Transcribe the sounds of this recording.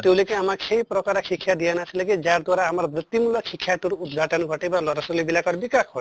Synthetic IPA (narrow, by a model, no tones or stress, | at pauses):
t̪ewlekiamaksejpɾɔkaɾakʰikʰːjad̪ijanat͡ʃʰilekid͡ʒaɾd̪waɾaːmaɾbɾit̪ːimulɔkʰikʰːjaʈuɾud̪̚ɡʱaʈɔnɡʱɔʈibalɔɾaslibilakɔɾbikakʰɦɔ